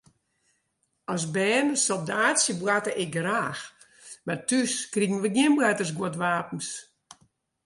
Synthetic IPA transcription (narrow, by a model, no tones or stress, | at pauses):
ɔs̬bɛːnəsɔlˠdaːtsjəbwatəʔɪk̚ɡraːx | matʰyskriɡən̩ʋədjɪnbwatərs̬ɡwotʋaːpən̩s